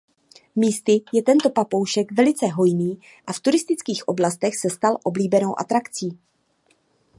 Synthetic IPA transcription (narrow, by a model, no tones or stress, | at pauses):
miːst̪ɪjɛt̪ɛnt̪o̞papo̞wʃɛkvɛlɪt͡sɛɦo̞jniː | ʔaft̪uɾɪst̪ɪt͡skiːxʔo̞blast̪ɛxsɛst̪alʔo̞bliːbɛno̞wʔa̰t̪ɾakt͡siː